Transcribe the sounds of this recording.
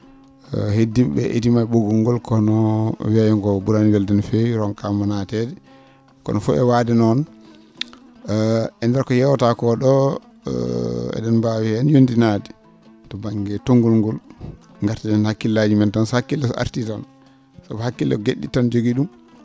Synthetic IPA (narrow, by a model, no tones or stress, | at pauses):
hedibɛ̰ʔḛtimaɓoɡuŋɡɔlkɔnɔwiajɔŋɡɔbuɾanibɛldɛnfewɾɔnkamanatɛdɛ | kɔ̰nɔfṵɛ̰wadɛnɔn | ɛndɛɾkɔjɛwtakɔɗɔ̰ | ɛ̰ɗɛnbawihɛnjondinadi | tɔbaŋɡɛtoŋɡulŋɡɔl | ŋɡaɾtiɗɛnhakːilːad͡ʒimɛntanshakːilːɛsa̰ɾtitan | sabhakːilɛ̰ɡeɗːḭtand͡ʒoɡiɗum